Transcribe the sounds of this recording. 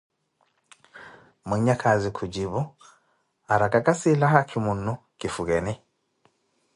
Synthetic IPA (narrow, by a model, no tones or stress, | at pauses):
muɲɲakʰazikʰud͡ʒibɔ | aɾakakasilaɦakʰimunːu | kifuɡɛni